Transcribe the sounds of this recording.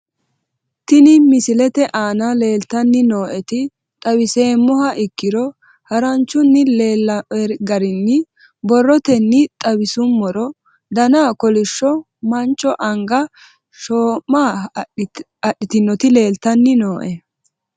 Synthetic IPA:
t̪ɪnɪmɪsɪlɛt̪ɛʔaːnɐle̞ːlt̪ɐnːɪno̞ːʔɛt̪ɪ | t̪ʼɐbɪse̞ːmːʊhɐʔɪkːɪɾɔ | hɐɾɐnt͡ʃːʊnːɪleːlɐɛɾɡɐɾɪnːɪ | bɔrːɔt̪ɛnːɪt̪ʼɐbɪsʊmːɔɾɔ | d̪ɐnaːkɔlɪʃːɔ | mɐnt͡ʃːɔʔɐŋɡɐ | ʃoːmːaː | ɐɗːɪt̪ɪnːɔt̪ɪle̞ːlt̪ɐnːɪnoːʔɛ

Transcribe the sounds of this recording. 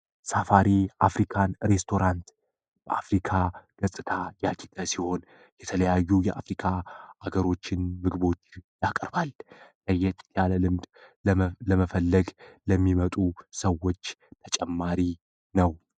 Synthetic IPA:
safaɾiafɾikʰanɾe̞st̪ʰo̞ɾant̪ | b̥əʔa̰fɾikʰaɡ̥əsʼɨt̪ʰajat͡ʃʰit̪ʼəsiho̞n | jɛt̪ʰələjajːujɛʔafɾikʰaaɡəɾo̞t͡ʃːɪnmɨɡbo̞t͡ʃːjakʼəɾballəjːɛt̪ʰʼt̪ʰjaləlɨmd̪ | ləməfəlːəɡləmːimət̪ʼusəwːo̞t͡ʃːt̪ʰət͡ʃʼɛmːaɾi | nəw

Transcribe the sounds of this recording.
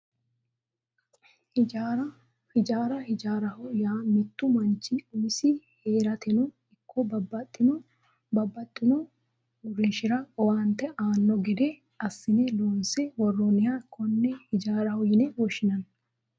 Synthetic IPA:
hɪd͡ʒaɾɐ | hɪd͡ʒaːɾɐhɪd͡ʒaːɾɐhʊjaːmɪt̪ːʊmɐnt͡ʃːɪʊmɪsɪheːɾɐt̪ɛnɔ | ɪkʰːɔbɐbːɐt̪ʼːɪnɔ | bɐbːɐt̪ʼːɪnɔ | ʊɾɪnʃɪɾɐɔwaːnt̪ːɛʔaːnːɔɡɛd̪ɛ | ɐsːɪnɛloːnsɛwɔrːonɪjaɪkʰːɔnːɛhɪd͡ʒaːɾɐhʊjɪnɛwɔʃɪnɐn

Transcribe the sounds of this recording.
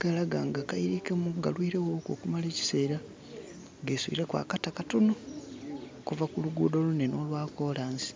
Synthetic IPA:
ɡ̥alaɡaːŋɡakaiɾikemuɡalwiːɾewoko̰kumale̞ːci̥se̞ːɾa | ɡe̞ːswḭːɾe̞kwa̰ːkatakatono | kuvakuluɡuːdo̞luneno̞ːlwaːko̞laːnsi̥

